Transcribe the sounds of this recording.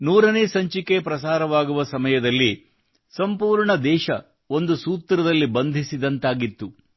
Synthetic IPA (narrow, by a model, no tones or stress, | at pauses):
nuːɾɐneːsɐɲt͡ʃike̞pɾɐsaːɾɐʋaːɡuʋɐsɐmɐjɐd̪ɐlːi | sɐmpuːɾɳɐd̪ɛːʃɐ | o̞nd̪usuːt̪ɾɐd̪ɐlːibɐnd̪ʱisid̪ɐnt̪aːɡit̪ːu